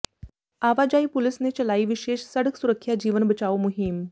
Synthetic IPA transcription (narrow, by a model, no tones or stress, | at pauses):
aʋad͡ʑaiːpulisnet͡ɕəlaiːʋiɕeːʃsəɽəksuɾəkʰːjad͡ʑiːʋənbət͡ɕaʋomuɦim